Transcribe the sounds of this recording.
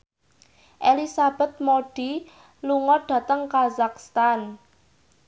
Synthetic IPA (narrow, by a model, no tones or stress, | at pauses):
ʔelisab̥ɛ̤t̪̚moɖ̥i | luŋɔɖ̥ä̤t̪əŋkazakst̪an